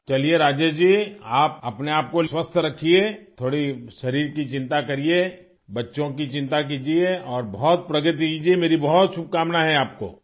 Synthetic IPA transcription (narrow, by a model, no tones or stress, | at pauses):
t͡ʃɐlieɾaːd͡ʒəd͡ʒiːaːp̚ɐpneaːp̚koswəst̪ʰɾɐkʰiet̪ʰoːɽiʃɐɾiːɾkit͡ʃɪ̃nt̪akɐɾie | bɐtːʃõk̬it͡ʃɪ̃nt̪ak̬iːd͡ʒieɔːɾbɔɦɔt̪̚pɾɐɡət̪ikiːd͡ʒiemeːɾibɔɦɔt̪ʃʊb̚kaːmnaɦɛaːp̚ko̰ː